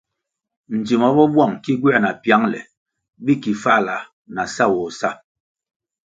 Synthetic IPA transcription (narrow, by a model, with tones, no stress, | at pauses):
n̩˨d͡ʒi˨ma˨˦bɔ˦bwa˦˨ŋki˦ɡwɛ˦˨na˨pja˨˦ŋlɛ̰˨ | bi˦ki˨fa˦˨la˨ | na˨sa˦˨wɔ˨sa˦˨